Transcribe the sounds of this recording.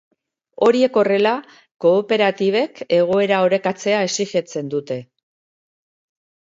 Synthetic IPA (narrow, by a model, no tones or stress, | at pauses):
o̞ɾie̞ko̞re̞la | ko̞ːpe̞ɾat̪iβ̞e̞ke̞ɣ̞o̞e̞ɾao̞ɾe̞kat͡se̞ae̞siʝe̞t͡se̞nd̪ut̪e̞